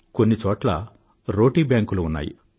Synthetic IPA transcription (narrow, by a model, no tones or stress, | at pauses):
ko̞nːit͡ʃɔːʈlɐ̰ | ɾo̞ːʈiːbjaːŋkuluːnːa̰ːjḭ